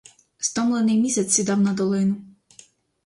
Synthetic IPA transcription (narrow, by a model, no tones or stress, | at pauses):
st̪ɔmlˠenɪjmʲisʲɛt̪sːʲid̪ɑwnɐd̪ɔlˠɪnʊ